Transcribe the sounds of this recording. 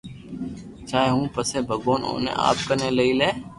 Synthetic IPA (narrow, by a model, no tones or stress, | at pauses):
t͡ʃaːeːɦũːpəseːbʱəɡoːno̰ːnḛ̃ːa̰ːp̚kəneːləiːleː